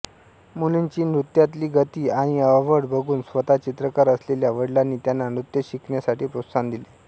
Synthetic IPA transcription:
mulint͡ɕiːnɾut̪jat̪liːɡət̪iːaɽ̃iəʋəɽbʱəɡuːnsʋət̪at͡ɕit̪ɾəkaɾəsleljaʋəɽlanːiːt̪janːanɾut̪jəɕikɳjasaʈiːpɾut̪sand̪ili

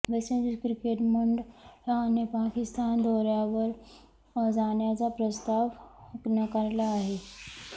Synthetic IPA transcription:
ʋesenkɾikeʈmuɳɖanipakist̪and̪ʱoɾjaʋəɾ | d͡zaɳjat͡sapɾəst̪aʋnəkaɾlaːɦe

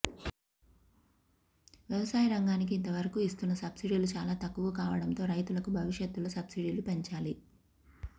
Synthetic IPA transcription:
ʋjɛʋɐsaːjiɾɐŋɡaːnik̬iːnt̪ɐʋɐɾɐkuist̪unːɐsɐbsiɽiːlut͡ʃaːlaːt̪ɐkːuɡɐkaːʋɐɽɐnt̪o̞ːɾɐjt̪ulɐkubʱɐʋiʃjet̪ːuloːsɐbsiɽiːlupe̞ɲt͡ʃaːli

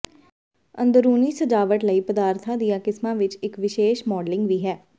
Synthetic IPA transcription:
ə̰nd̪əɾuːniːsəd͡ʒaːʋəʈləiːpəd̪aːɾt̪ʰãːd̪ijãːkɪsmãːʋɪt͡ʃɪkʋɪʃeːʃmɔːɖlɪŋɡʋiːɦɛː

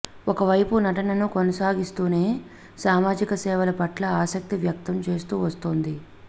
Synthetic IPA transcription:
ɔkɐʋɐjpunɐʈɐnɐnukonɐsaːɡist̪uːne̞ː | saːmaːd͡ʒikɐsɛːʋɐlɐpɐʈlɐaːsɐk̚t̪iʋjɐk̚t̪ɐmt͡ʃe̞ːst̪uːʋɐst̪oːnd̪i

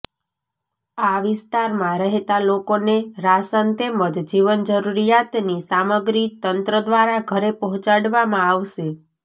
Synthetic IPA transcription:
aʋɪst̪aɾmãɾəɦet̪alokoneɾasənt̪eməd̪d͡ʒiʋənd͡ʒəɾuɾijat̪nisaməɡɾit̪ənt̪ɾəd̪ʋaɾaɡʱəɾepɔɦɔ̃t͡ʃaɽʋamãaʋʃe

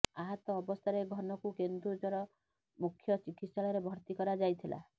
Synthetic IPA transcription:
aɦɔt̪ɔːbɔst̪ʰaɾeɡʱɔnɔkukend̪ɾud͡ʒɔɾɔ | mukʰːjɔt͡ʃikit̪saɭjɾebʱɔɾt̪ikɔɾad͡ʒajt̪ʰila̰

